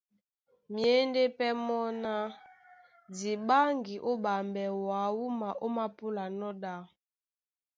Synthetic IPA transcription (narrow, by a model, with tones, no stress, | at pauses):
mje˨˦nde˦pɛ˦mɔ˦na˦ | di˨ɓa˦ŋɡi˨ʔo˦ba˨mbɛ˨wa˨wu˦ma˨ʔo˦ma˦pu˦la˨nɔ˦ɗa˦